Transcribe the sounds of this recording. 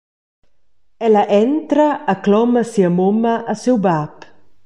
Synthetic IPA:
ɛlaʔɛnt̪ɾaːklɔmɐsiɐmomɐʔːsewbap

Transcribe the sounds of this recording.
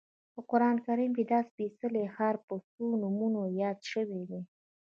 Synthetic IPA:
pəqʊɾɑnkaɾimked̪ɑspisəlexaɾpəsonumunojɑd̪ʃəwed̪i

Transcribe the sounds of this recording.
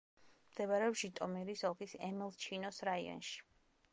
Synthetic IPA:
md̪̥ɛvaɾɛɔpʃit̪ʼɔmiɾisɔlˠkʼisɛmilˠt͡ʃʰinɔsɾaiɔ̰nʃi̥

